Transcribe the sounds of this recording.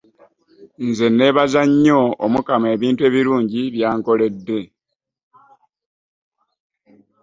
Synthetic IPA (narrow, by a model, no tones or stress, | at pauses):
nze̞ne̞βazaɲːo̞omukame̞ːβiːntwe̞ːβiɾuːɲɟiβjaːŋko̞le̞dːe̞